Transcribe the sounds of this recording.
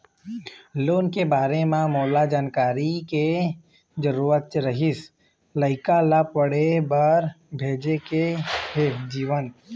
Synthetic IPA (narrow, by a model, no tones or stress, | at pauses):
loːnkebaːɾemãmoːlad͡ʒaːnkaːɾike | d͡ʒəɾuːɾət̪̚t͡ʃɾəɦɪs | ləɪkalapəɽebaɾ | bʱeːd͡ʒekeɦed͡ʒiːʋən